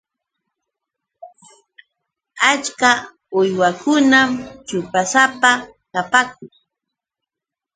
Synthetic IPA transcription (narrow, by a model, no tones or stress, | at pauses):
at͡ʃka | ʊjwakʊnamt͡ʃʊpasapa | kapak̚ʊŋ